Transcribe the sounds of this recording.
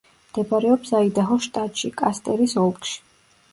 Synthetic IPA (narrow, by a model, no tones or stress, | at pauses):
md̪̥ɛbaɾɛɔpsaid̪aɦɔʃt̪ʼat̪ʼʃikʼast̪ʼɛɾisɔlˠkʼʃi̥